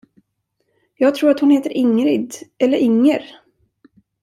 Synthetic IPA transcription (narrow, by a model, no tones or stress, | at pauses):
jɑːɡ̚t̪ʰɾuːɾat̪hʊnheːt̪əɾʔɪŋɾɪd̪ʔɛlːəɾɪŋːəɾ